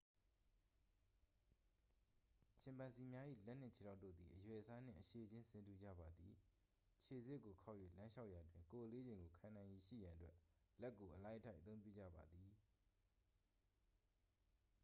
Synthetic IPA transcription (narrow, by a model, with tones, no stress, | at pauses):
t͡ɕʰɪ̃˨mpã˨nsi˨mja˦ʔḭ˦˨lɛ˦ʔn̥ɪ̰̃˦˨t͡ɕʰe˨ɾa˦ʊtːo̰˦˨d̪i˨ʔəjwɛ˨ʔəsa˦n̥ɪ̰̃˦˨ʔəʃe˨d͡ʑɪ̃˦sɪ̃˨ntu˨d͡ʑä̰˦˨ba˨d̪i˨ | t͡ɕʰe˨zɪ˦ʔkːo˨kʰa˦ʊʔjwḛ˦˨lã˦ʃa˦ʊʔja˨dwɪ̃˨ŋko˨ʔəle˦d͡ʑɪ̃˨ŋɡo˨kʰã˨nã˨ɪ̃ji˨ʃḭ˦˨jã˨ʔətwɛ˦lɛ˦kːo˨ʔəlã˦ʔə˦tʰa˦ɪʔət̪θõ˦ʊ̃mpju˦˨d͡ʑä̰˦˨ba˨d̪ði˨